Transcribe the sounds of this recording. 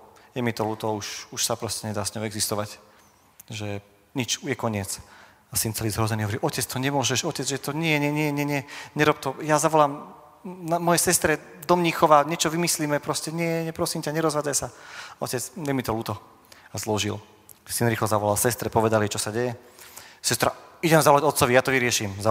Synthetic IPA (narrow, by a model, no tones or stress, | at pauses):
jɛmit̪ɔluːt̪ɔuʃuʃsapɾɔscɛɲɛd̪aːsɲɔʊɛɡzist̪ɔʋac | ʒɛ | ɲit͡ʃjɛkɔɲɪɛt͡s | asint͡sɛliːzɦɾɔzɛniɦɔʋɔɾiʔɔcɛt͡st̪ɔɲɛmʊɔʒɛʃɔcɛd͡zʒɛt̪ɔɲɪɛɛɲɛɲɪɛɲɛɲɛɲɛɾɔp̚t̪ɔjazaʋɔlaːm | amɔjɛsɛst̪ɾɛ | d̪ɔmɲiːxɔʋaɲɛt͡ʃɔʋimisliːmɛpɾɔscɛɲɪɛɲɛpɾɔsimcaɲɛɾɔzʋaːd͡zajsaɔcɛt͡sɲɛmit̪ɔluːt̪ɔ | azlɔʒḭl | sinɾiːxlɔzaʋɔlalsɛst̪ɾɛpɔʋɛd̪alit͡ʃɔsaɟɛjɛ | sɛst̪ɾaiɟɛmzaʋɔlaɟɔt̪t͡sɔʋijaːt̪ɔʋiɾɪɛʃimza